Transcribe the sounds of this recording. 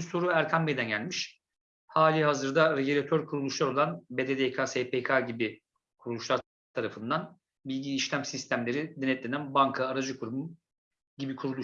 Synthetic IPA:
soɾuæɾkʰanbed̪ænɟælʲmiʃ | haːlʲiɦazɯɾd̪aɾeɟilʲat̪ʰøɾkʰuɾulˠuʃlˠaɾo̞lˠanbed̪ed̪ekʰasepʰekʰaɟibi | kʰuɾulˠuʃlˠaɾ | t̪ʰaɾafɯnd̪an | bilʲɟiːʃlʲæmsist̪ʰæmlʲe̞ɾid̪enɛt̪lʲenænbaŋkʰaːɾad͡ʒɯkʰuɾmu | ɟibikʰuɾulˠu

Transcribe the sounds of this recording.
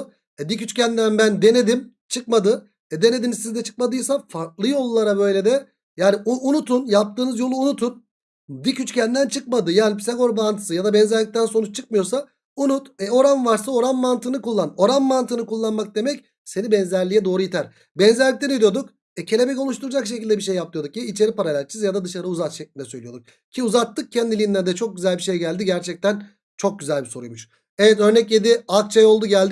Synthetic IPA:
ɛd̪icyt͡ʃcʰænd̪ænbænd̪e̞ne̞d̪im | t͡ʃʰɯk̚mad̪ɯ | ɛd̪e̞ne̞d̪inizsizd̪ɛt͡ʃʰɯ̥k̚mad̪ɯjsafaɾt̪lˠɯjolˠːaɾabø̞jlʲe̞d̪ɛ | jaːniuunut̪unjap̚t̪ʰɯːnɯzjo̞lˠuːnut̪ʰun | d̪icyt͡ʃcʰænd̪ænt͡ʃʰɯk̚mad̪ɯjaːnʲipʰi̥saɡo̞ɾbant̪ʰɯ̥sɯjad̪abɛnzæɾlʲic̚t̪ænsonut͡ʃt͡ʃʰɯk̚mɯjo̞sa | unut̪ɛo̞ɾanvaɾsao̞ɾanmant̪ʰɯnɯkulˠːano̞ɾanmant̪ʰɯnɯkulˠːanmak̚d̪e̞mɛc | se̞nibɛnzæɾlʲijɛd̪o̞ːɾujit̪ʰæɾ̥ | bɛnzæɾlʲict̪enid̪ijo̞d̪uk | ɛcʰe̞lʲe̞bɛco̞lˠuʃt̪ʰuɾud͡ʒakʃ̬ecilʲd̪ɛbiʃe̞jːap̚t̪ɯjo̞d̪ukjait͡ʃʰe̞ɾipaɾalʲæɾt͡ʃʰɯzjad̪ad̪ɯʃaɾɯuzat̪ʃɛclʲinɛsøjlʲijo̞d̪uk̚ | cʰiuzat̪ʰːɯk̚cʰɛnd̪ilʲind̪ænd̪ɛt͡ʃʰok̚ɟyzælʲbiʃe̞jɟælʲd̪iɟæɾt͡ʃʰɛc̚t̪ʰæn | t͡ʃʰo̞k̚ɟyzælʲbiso̞ɾujmuʃ | evɛt̪ø̞ɾnɛclʲed̪iak̚t͡ʃʰajo̞lˠd̪uɟælʲd̪

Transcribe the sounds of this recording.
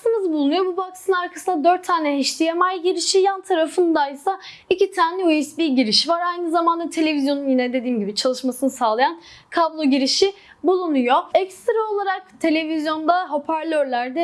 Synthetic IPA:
sɯmɯzbulˠunujobubaksɯnɯnaɾkʰasɯnd̪ad̪øɾt̪ʰːaːnʲɛiʃt̪ijɛmajɟiɾiʃijant̪ʰaɾafɯnd̪ajsaicit̪ʰaːnʲɛujusbiɟiɾiʃivaɾajnizamand̪at̪ʰe̞lʲe̞vizjo̞nunjinɛd̪e̞d̪iːmɟibit͡ʃʰalˠɯʃmasɯnɯsaːlˠajankʰablˠo̞ɟiɾiʃi | bulˠunujoɛcst̪ɾaolˠaɾak̚t̪ʰe̞lʲe̞vizjo̞nd̪aɦo̞pʰæɾlʲøɾlʲæɾd̪ɛ

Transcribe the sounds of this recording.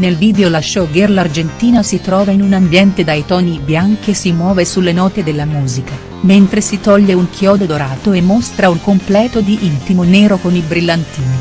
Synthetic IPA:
nelviːd̪eolaʃːɔɡerlard͡ʒent̪iːnasit̪ɾɔːvainunambjɛnt̪ed̪ajt̪ɔːnibjaŋk̟isimwɔːvesulːenɔːt̪ed̪elːamuːzika | ment̪ɾesit̪ɔʎːeuŋkʰjɔːd̪od̪oɾaːt̪oemːost̪ɾauŋkomplɛːt̪od̪iʔint̪imonɛːɾokonilbɾilːant̪iːni

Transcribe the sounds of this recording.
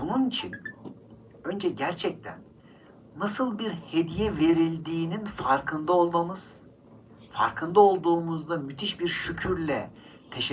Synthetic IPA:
bununit͡ʃʰin | ø̞nd͡ʒɛɟæɾt͡ʃʰɛc̚t̪ʰæ̰nː | asɯlˠbiɾhe̞d̪ijɛve̞ɾilʲd̪iːninfaɾkʰɯnd̪ao̞lˠd̪amɯz̥ | fa̰ɾkʰɯnd̪ao̞lˠd̪uːmuzd̪amyt̪ʰiʃbiɾʃycʰyɾlʲɛ | t̪ʰe̞ʃ

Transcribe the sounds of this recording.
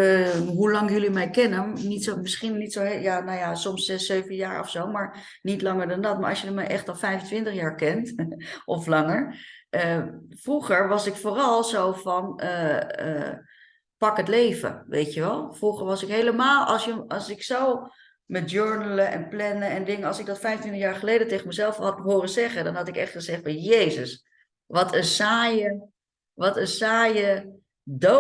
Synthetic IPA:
əɦulɑŋjɵlimɛjkɛnənitsomɪsχinnitsowjanajasɔmsːɛsːøɥvənjaːɹɔ̰fsowmaːɹ | nitlɑŋəɹdɑndɑtmaːɹʔɑ̰sjəlimɛjʔɛχtɑlˠfɛjfəntʋɪntəχjaːɹkɛntʔɔflɑŋəɹəfruχəɹʋɑsɪkfoːrɑlˠzowfɑnəə̰ | pɑkɦətlejvə̰ʋʔḛjtəʋɛlˠfruχəɹʋɑsɪkɦejləmaːlˠʔɑ̰lˠsjəɑlˠsɪksow | mɛt̚d͡ʒøɹnələʔɛ̰nplɛnəɛndɪŋəɑlˠsɪɡ̚dɑtfɛjfəntintəχjaːɹχəlejdətejχəmɛzɛlˠfɦɑtɦʊːrəzɛχədɑnɦɑtɪkɛχtχəzɛχtfɑnjejzəs | ʋɑtʰənsaːjə | ʋɑtəsaːjə | do

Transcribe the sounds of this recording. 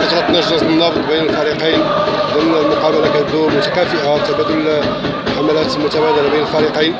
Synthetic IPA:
ʔɑt̪ɾˤɑt̪næʒɾɑzənːɑft̪ˤbæjnəlfæɾiqijnd̪ʊmnælmʊqɑbalakæd̪umʊt̪æ̥kæfəʔat̪ːæbæd̪ʊl | ħamælæt̪lmʊt̪æbæd̪əlabæjnəlfæɾiqijn

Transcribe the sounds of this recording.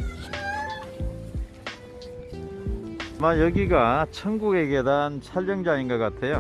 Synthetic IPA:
amajʌɡiɡat͡ɕʰʌnɡuɡe̞ɡedant͡ɕʰaʎːʌŋd͡ʑainɡʌk͈atʰe̞jo

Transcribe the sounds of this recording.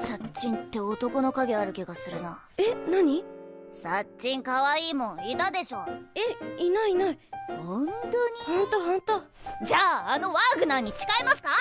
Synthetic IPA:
sat͡ɕĩnt̪ːe̞o̞t̪o̞ko̞no̞kaɡʲe̞aɾɯ̟kʲiɡasɨɾɯ̟na | enaɲ̟isatt͡ɕːĩŋkaβaiːmõ̞it̪ad̪e̞ɕo̞ːeinaiinaihõnt̪oɲ̟ihõnt̪oɦõnt̪od͡ʑaːno̞βaɡɯ̟naɲ̟it͡ɕi̥kaimasɨ̥ka

